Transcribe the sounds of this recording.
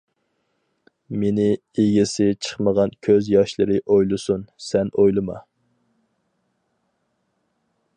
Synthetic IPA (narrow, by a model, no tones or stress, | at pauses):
menɪ | eɡʲɪsɪt͡ʃʰə̥χməʁɑnkʲʰøzjɑʃlˠɨɾɨʔojlˠɨsunsɛnojlˠɨmɑ̰